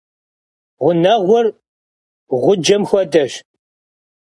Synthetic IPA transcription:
ʁʷʊnɐʁʷʊr | ʁʷʊd͡ʒɐmxʷɔdɐɕ

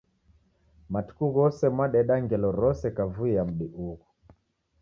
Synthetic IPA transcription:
matu̥kuɣɔsɛmwaɗɛɗaŋɡɛlɔɾɔsɛkavuijam̩ɗiʔuɣu

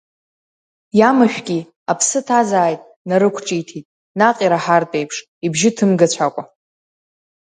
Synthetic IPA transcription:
jamaʃᶣɡʲi | apʰsɨtʰazaːjtʼ | naɾɨkʷʰʈ͡ʂʼijtʰitʼ | naqʼiɾaħartʼe̞jpʰʂ | ibʒɪtʰɨmɡat͡ɕʷʰakʷʼa

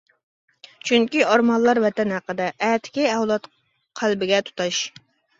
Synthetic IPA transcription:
t͡ʃʰyŋkʲiɑɾmɑnlˠːɑɾvɛt̪ɛnhæqəd̪ɛʔːt̪ʰɪ̥kʲiɛwlˠɑt̪ | qʰælbɪɡʲɛt̪ʰu̥t̪ɑʃ

